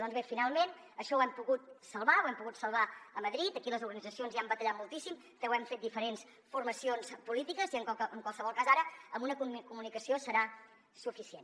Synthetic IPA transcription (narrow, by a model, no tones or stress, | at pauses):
d̪ɔnzβefinalˠmen | əʃɔwɛmpuɣut̪̚səlˠβawɛmpuɣut̪səlˠβaəməðɾit̪əkiləzuɾɣənid͡zəsionziambət̪əʎat̪mulˠt̪isim | t̪ɛwɛmfet̪̚d̪ifəɾens | furməsionspulit̪ikəziəŋəŋkwalˠsəβɔlˠkazaɾəəmbunəkukumunikəsiosəɾa | sufisiḛn